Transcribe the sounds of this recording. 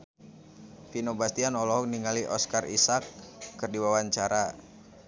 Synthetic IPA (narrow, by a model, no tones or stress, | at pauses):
finobast̪ianɔlɔɦɔk̚niŋaliʔɔskarḭsakːərdiwawaɲt͡ʃaɾa